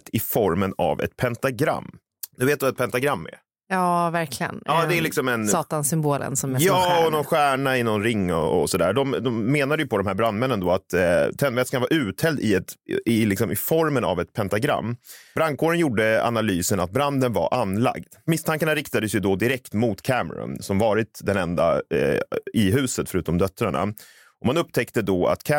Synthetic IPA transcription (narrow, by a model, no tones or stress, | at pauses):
t̪ɪfɔɾməna̰vɛ̰t̪pʰɛnt̪aɡɾa̰mː | nʉveːt̪d̪ɵvaɛt̪̚pʰɛnt̪aɡɾamːɛ̰ | jɑːvæɾkʰlɪɡə̰nɑːd̪ɛælɪksɔmɛnsɑːt̪ansʏmboːlə̰nsɔmjajɑːɔnɔnɧæːɳaɪnɔnɾɪŋːɔ̰ɔ̰sɔd̪æ̰ːd̪ɔmd̪ɔmːeːnad̪əjɵpʰɔd̪ɔmhæːɾbɾand̪mɛnːənd̪oːat̪t̪ʰːɛnːvɛt̪skanvaɾʔʉ̟ːt̪hɛld̪ɪɛt̪ɪlɪksɔmɪfɔɾməna̰vɛt̪pʰɛnt̪aɡɾa̰mːbɾaŋkʰoːɾənjuɖəa̰nalyːsənat̪̚bɾand̪ənva̰ɾʔanla̰ɡd̪̥mɪst̪ʰaŋkaɳaɾɪkt̪ad̪əsjɵd̪ɔd̪ɪɾɛkt̪mʊt̪kʰæmə̰ɾɔ̰nsɔmvɑːɾɪt̪d̪ɛnɛnd̪a̰ | ɪɦʉ̟ːsət̪fœɾʉːt̪ɔmd̪œt̪ɾaɳa̰ | ɔmanɵp̚t̪ʰɛkt̪əd̪ɔa̰t̪kʰ